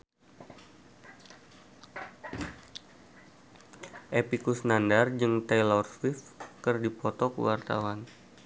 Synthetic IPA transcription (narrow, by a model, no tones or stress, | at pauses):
ʔepikusnandard͡ʒɨŋt̪ejlɔrswifkɨrdipɔt̪ɔkə̰wart̪a̰wan